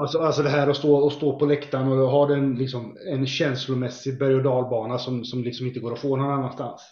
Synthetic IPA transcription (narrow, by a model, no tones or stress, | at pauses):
alsɔalsɔd̪ɛɦæːɾɔst̪oːɔst̪oːpʰɔlɛkt̪anɔɦad̪ɛnlɪksɔmɛnɕɛnslʊmɛsːɪbæɾjɔd̪ɑːlbɑːnasɔmsɔmlɪksɔmɪnt̪əɡoːɾɔfoːnːɔnanːanst̪a̰ns